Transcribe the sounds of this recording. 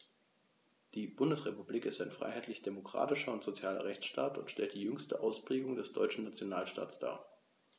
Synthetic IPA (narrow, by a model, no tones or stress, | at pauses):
d̥iːbʊndəsʁepubliːkɪstaɪnfʁ̥a̰ɪɦaɪtʰlɪçd̥emokʁ̥a̰ːtɪʃɐʊntz̥ot͡sjaːlɐ̰ʁɛçt͡sʃta̰ːtʊ̰ntʃtɛ̰lt̚d̥iːjʏŋstəʔaʊspʁ̥eːɡʊŋdɛsd̥ɔʏt͡ʃn̩nat͡sjonaːlʃta̰ːtsd̥a̰ːɐ